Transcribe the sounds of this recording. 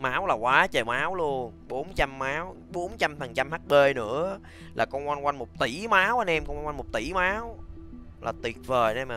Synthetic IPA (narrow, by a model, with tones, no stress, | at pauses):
maː˨˦wlaː˨˩kwaː˨˦t͡ɕəː˨˩maː˨˦wlu˧ən | ɓo˨˦nt͡ɕa˧mːaː˨˦w | ɓo˨˦nt͡ɕa˧mt̪ʰə˨˩nt͡ɕa˧mhaː˦˥t̚ɓe˧nɨ̰˧˥ə | lʔaː˨˩kɔ˧nkwa˧nkwa˧jŋ̟mo˨˩k͡p̚t̪i˧˩maː˨˦wʔə˧nʔɛ˧mkːwa˧ŋwa˧ŋmo˨˩p̚t̪i˧˩maː˨˦w | laː˨˩t̪wi˨˩ət̚vəː˨˩jnɛ˧ma˨˩